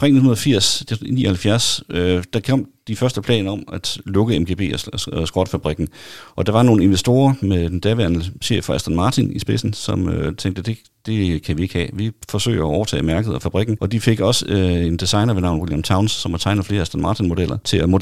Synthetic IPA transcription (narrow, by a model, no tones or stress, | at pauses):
pʰɛ̰nehunɐðˠfiɐ̰sd̥nḭːɒhælfjæɐsd̥ɑ̈kʰɒ̽m̰d̥ifɶɐsd̥əpʰlɛ̰ːnɐɒ̽mæd̥lɔ̽ɡ̥əemɡ̥ḛːbe̝̰ːɒsɡ̥ʁɒd̥əfæb̥ʁiɡ̥n̩ʔɒ̽d̥ɑ̈ʋɑ̈no̝ːn̩e̝nʋesd̥o̝ːɐmed̥end̥æʋeɐnəɕḛfɒ̽æsd̥ænmɑ̈ːt͡sʰinisb̥e̝sn̩sɒ̽møt͡sʰeŋɡ̥̚d̥əd̥e̝ | d̥e̝kʰæʋie̝ɡ̥hɛ̰ːʋifɒ̽sø̰ɪ̰ɒɒʊɐt͡sʰɛ̰ːmæɐɡ̥əð̩ˠɒfæb̥ʁiɡ̥n̩ʔɒ̽d̥ife̝ɡ̥ɒ̽se̝nd̥isɑ̈ɪnɐʋe̝nɑ̈ʊ̰n̩wiljæmt͡sʰɑ̈ʊnsːɒ̽mʋɑt͡sʰɑ̈ɪnfle̝ːɐæsd̥ænmɑ̈ːt͡sʰinmo̝d̥el̰ɐt͡sʰe̝læmo̝